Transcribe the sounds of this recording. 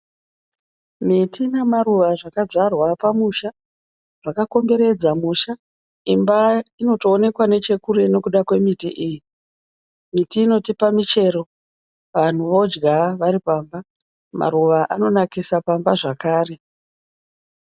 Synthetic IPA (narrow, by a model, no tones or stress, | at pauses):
mitʰinemaruʋaʐakad͡ʐarwapamuʃa | ʐ̥akako̞mbe̞ɾe̞d͡zamuʃa | imbaino̞to̞ːne̞kwane̞t͡ʃe̞kuɾe̞no̞kuɗakwe̞mitiʔiːji | mitiːno̞tipamit͡ʃe̞ɾo̞ | ʋan̤uʋo̞d͡ʒɡaʋaɾipaːmba | mʔa̰ɾuʋaʔano̞nakisapambaʐakaːre̞